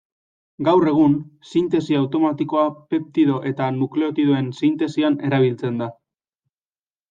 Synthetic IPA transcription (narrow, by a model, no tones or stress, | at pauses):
ɡawre̞ɣ̞unsint̪e̞siawt̪o̞mat̪iko̞ape̞p̚t̪iðo̞ʔe̞t̪anukle̞o̞t̪iðoe̞nsint̪e̞siane̞ɾaβ̞ilt͡se̞nd̪a